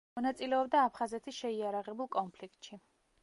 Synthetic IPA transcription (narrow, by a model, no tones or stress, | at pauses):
ɔnat̪sʼilɛɔbd̪aːpʰχazɛt̪ʰisʃɛiaɾaʁɛbulˠkʼɔnpʰlikt̪ʼʃi